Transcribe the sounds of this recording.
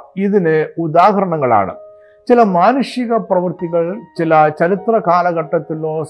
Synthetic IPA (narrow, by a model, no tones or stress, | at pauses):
iðinɨud̪aːɦɐɾɐɳɐŋːɐɭa̰ːɳɨ̰ | t͡ɕilɐmaːnuʂjiɣɐprɐʋɨrt̪iɣɐɭt͡ɕilɐt͡ɕɐɾit̪rɐkaːlɐɣɐʈːɐt̪ːiloː